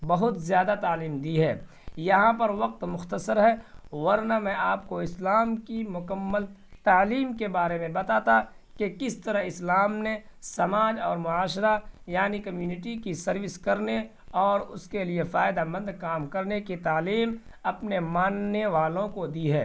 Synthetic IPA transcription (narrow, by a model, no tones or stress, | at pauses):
bɐɦʊt̪zjaːd̪at̪aːliːmd̪iɦɛː | jɐɦãpɐɾʋɐq̚t̪mʊxt̪əsəɾɦɛwɐɾnamɛ̃ʔaːp̚koɪslaːmkimʊkəmːəl | t̪aːliːmkebaːɾemẽbɐt̪aːt̪a | kekɪst̪ɐɾaɦɪslaːmnesɐmaːd͡ʒɔːɾmʊaːʃɾajaːnikɐmjuːnɪʈikisɐɾʋɪskɐɾne | ɔːɾʊskeliefaːɪd̪amɐ̃nd̪ʱkaːmkɐɾnekit̪aːliːmɐpnemaːnːeʋaːlõkod̪iɦɛ̰ː